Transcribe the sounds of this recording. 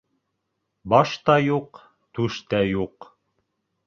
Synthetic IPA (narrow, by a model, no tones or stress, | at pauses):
bɑʃt̪ɑjuq | t̪ʉʃt̪æjuq